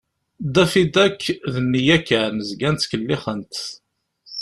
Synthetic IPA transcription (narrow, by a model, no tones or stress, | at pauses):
d̪æfid̪ækːðənːijækːænəzɡænt̪kəlːɪχənt̪